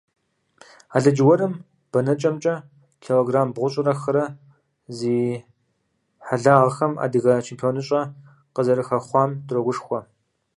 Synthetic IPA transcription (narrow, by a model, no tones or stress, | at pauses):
aːɮɐd͡ʒɪwɐɾɨm | b̥ɐnɐt͡ʃʼɐmt͡ʃʼɐ | tʰeloɡraːmbʁʷʊɕʼɪrɐxɐɾɐ | ziː | ħaɮaːʁɐxɐma̰ːdɨɣɐt͡ʃʰempʰijoːnɨɕʼɐ | qəzɐɾɨxɐχʷɑːmdroɡʷʊʂxʷɔ